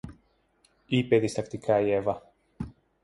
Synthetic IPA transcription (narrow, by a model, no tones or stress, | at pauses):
ipeðist̪ɐkt̪ikʰaievɐ